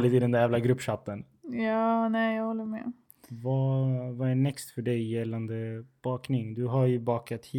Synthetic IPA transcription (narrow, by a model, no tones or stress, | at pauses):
lɪt̪ɪd̪ɛnd̪æɾjævlaɡɾɵpːʂat̪ːən | jɑːnɛːjɑːɡhɔlːəmɛ̰ | vavaænɛkst̪fœɖɛjːɛlːand̪əb̥ɑːknɪŋd̪ɵɦaɾjɵbɑːkat̪hi